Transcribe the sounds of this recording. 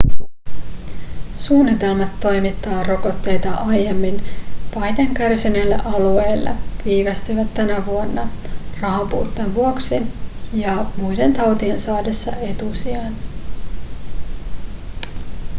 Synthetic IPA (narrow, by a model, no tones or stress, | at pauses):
suːnːit̪e̞lmæt̪ːo̞jmit̪ːɑːro̞ko̞t̪ːe̞jt̪ɑʔɑjemːinpɑjt̪eŋkærsinelːæ̰ʔɑlue̞jlːɑ̰ʋiːʋæst̪yʋæt̪ːænæʋuonːɑrɑɦɑmpṵːt̪ːenʋuoksijɑmujde̞nt̪ɑwt̪ie̞nsɑːde̞sːɑe̞t̪usiɑn